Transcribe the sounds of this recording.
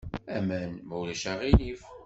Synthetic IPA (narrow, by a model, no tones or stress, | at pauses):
æmænmuwlæʃaʁinif